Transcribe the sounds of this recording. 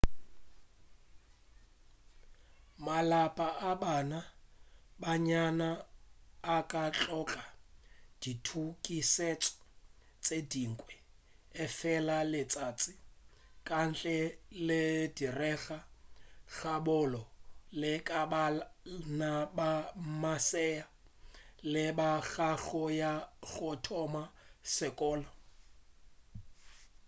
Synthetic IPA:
malapʼaʔabana | baɲanaː | kʼat͡ɬʼɔkʼad̥itʰukʼiset͡sʼɔ̥ | t͡sʼediŋ̩kʼwɛ | ɪfɛlalɪt͡sʼat͡sʼɪ | kʼan̩t͡ɬʼɛlɪdirɛɣaɣabʊlɔlɪkʼabanabamasɛja | lɪbaɣaɣɔjaɣʊtʰɔmasɪkʼɔːlɔ

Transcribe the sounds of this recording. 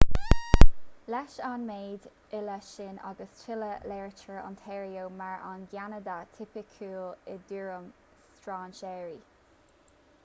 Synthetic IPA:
lɛʃanmeːd̪ | ɪləʃɪna̰ɡəst͡ʃʰɪləlɛɹt͡ʃəɹɔ̰ntʰɛːɹioːmaɹa̰nɡjanədatʰɪpɪkʰuːlɪd̪uɹəm | stɹaːnʃɛːɹi

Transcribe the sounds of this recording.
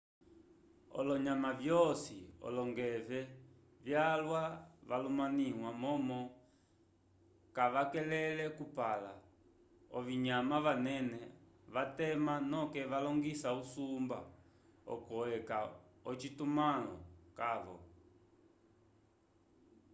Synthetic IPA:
ɔ̰lɔɲamavjɔsiɔ̰lɔŋɡɛvɛ | vjalwaʋalumaniŋwamɔmɔ | kaʋakɛlɛlɛkupala | ɔviɲamavanɛnɛ | ʋatɛmanɔkɛʋalɔŋɡisausumba̰ | ɔ̰kɔɛkaɔt͡ʃitumalɔ̰kaβɔ̰

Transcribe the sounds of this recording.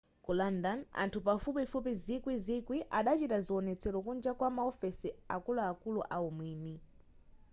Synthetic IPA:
kulandana̰ntʰupafupifup̬izikwizikwiʔaɗat͡ʃitaziɔnɛt͡sʰɛɾɔkund͡ʒakwamaɔfɛsia̰kulaːkuluʔaumwiːni

